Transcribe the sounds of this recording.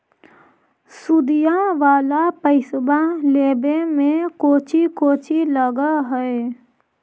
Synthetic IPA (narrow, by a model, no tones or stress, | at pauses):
sud̪ijãʋaːlapəɪsbãleːbemẽkoːt͡ʃikoːt͡ʃiləɡaɦɛe